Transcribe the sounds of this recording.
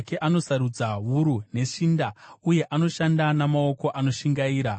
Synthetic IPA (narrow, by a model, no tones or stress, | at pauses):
ke̞ʔano̞saɾud͡zaʋuɾune̞ʂindauje̞ʔano̞ʃandanamao̞ko̞ʔano̞ʃiŋɡaiːɾa